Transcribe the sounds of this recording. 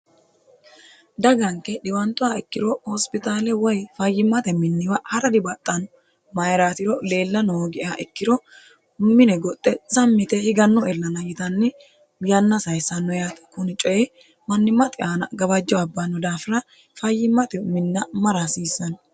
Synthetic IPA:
d̪ɐɡɐŋkːɛɗɪwɐnt̪ːʊaɪkːɪɾɔhɔspɪt̪aːlɛwɔjfɐjːɪmːɐt̪ɛmɪnːɪwɐhɐɾɐd̪ɪbɐt̪ʼːɐnɔ | mɐjɾaːt̪ɪɾɔle̞ːlːɐnɔoɡɪʔaʔɪkːɪɾɔ | mɪnɛɡɔt̪ʼːɛsɐmːɪt̪ɛhɪɡɐnːɔɛlːɐnɐjɪt̪ɐnːɪ | jɐnːɐsɐjsɐnːɔjaːt̪ɐ̥kʊnɪt͡ʃʼɔjɛ | mɐnːɪmːɐt̪ʼɪʔaːnɐɡɐbɐd͡ʒːɔɐbːɐnːɔd̪aːfɪɾɐ | fɐjːɪmːɐt̪ɛmɪnːɐmɐɾɐsiːsːɐn

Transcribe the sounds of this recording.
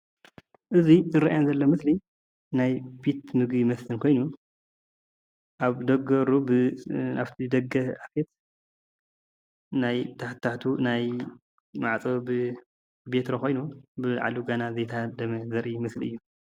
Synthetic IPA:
ʔɨzizɨɾaajonzɐlːomɨsli | najbit̪mɨɡbimɐsɨnkʰo̞jnu | ʔaβd̪ɐɡɐɾubɨaβt̪ʰid̪ɐɡɐafet̪̚ | najt̪ʰaħt̪ʰːaht̪ʰunaj | maʕt͡sʼobɨ | bet̪ʰɾokʰo̞jnubɨʕa̰luɡanazɐjt̪ʰɐhad̪ɐmɐzɐɾʔimɨsliɨ̰jːu

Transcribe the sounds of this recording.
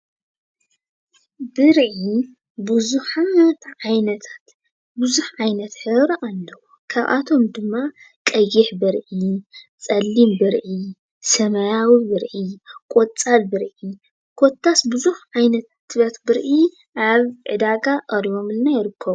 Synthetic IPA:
bɨɾʕi | bɨzuħat̪ʕajnɐt̪ʰḁt̪ | bɨzuħʕajnɐt̪ħɨβɾʔalːɐwu | kʰa̰βʔa̰t̪ʰo̞md̪ɨmːa | kʼɐjɪħbɨɾʕit͡sʼɐlːimbɨɾʕi | sɐmɐjawibɨɾʕikʼot͡sʼalbɨɾʕi | kʰot̪ʰːasbɨzuħʕajnɐt̪ʰat̪ʰːβɐt̪bɨɾʔi | ʔaβʕɨ̰d̪aɡaʔʼɐɾijo̞mɨlnajɪɾɨkʰːɐβu

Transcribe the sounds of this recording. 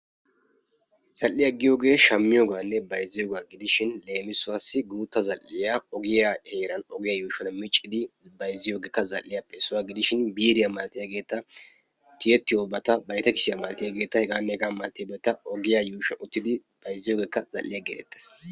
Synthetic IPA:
z̥ɐlːɪjɐɡɪjo̞ːɡe̞ːʃɐmːɪjoːɡaːnːɛbɐjzɪjoːɡaːɡɪd̪ɪʃɪnle̞ːmɪsʊwaːsːɪɡuːt̪ːɐzɐlːɪjaɔɡɪjaeːɾɐnɔɡɪjajuːʃɐnmɪt͡ʃʼːɪd̪ɪbɐjzɪjo̞ːɡeːkːɐzɐ̰lːɪjapʼeːsʊwaːɡɪd̪ɪʃɪnbiːɾɪjamɐlɐt̪ːɪjaːɡe̞ːt̪ːɐ | t̪ɪjɛt̪ːɪjoːbɐt̪ɐbɐjt̪ɐkɪsɪjamɐlt̪ɪjaːɡe̞ːt̪ːɐhɛɡaːnːɛhɛɡaːmɐlt̪ːɪjabet̪ːɐɔɡɪjajuːʃɐnʊt̪ːɪd̪ɪ | b̥ɐjzːɪjo̞ːɡe̞ːkːɐzɐ̰lːɪjaɡeːd̪ɛ̰t̪ːɛ̥s

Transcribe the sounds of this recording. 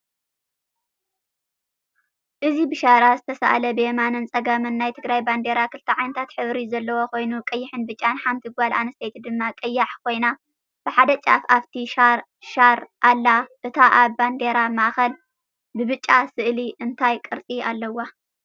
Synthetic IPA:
ʔɨzibɨʃaɾazɨt̪ʰɐsa̰ʔalɐbɨjemanɨnt͡sʼɐɡamɨnːajt̪ʰɨɡɾajband̪eɾakʰɨlt̪ʰɐʕajnɐt̪ʰat̪ħɨβɾizɐlːɐwo̞ko̞jnukʼɐjːɪħɨnbɨt͡ʃʼːanħamt̪ʰiɡʷalʔa̰nɐst̪ʰet̪d̪ɨmːakʼɐjːaħkʰo̞jna | b̥ɨħad̪ɐt͡ʃʼa̰faβt̪ʰiʃa | ʃaɾʔalːaʔɨt̪ʰaʔaβband̪eɾamaʔxɐl | bɨβɨt͡ʃʼːasɨʔliʔɨnt̪ʰajkʼɨɾt͡sʼialːɐwːa

